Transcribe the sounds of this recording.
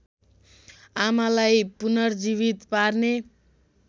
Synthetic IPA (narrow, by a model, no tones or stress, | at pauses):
amalajpunʌrd͡ziβit̪parne